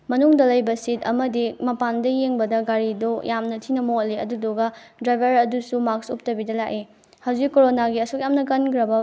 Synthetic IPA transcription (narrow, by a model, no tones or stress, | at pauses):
mɐnuŋdɐlɐjbɐsitɐ̰mɐdimɐpandɐjeŋbɐdɐɡaɾidojʔamnɐtʰinɐmoliɐ̰dudoɡɐdɾajbʱɐɾɐdusumak̚sup̚tɐbidɐlaki | hɐwzikːoɾonaɡiɐsuk̚jamnɐkɐnkɾɐbɐ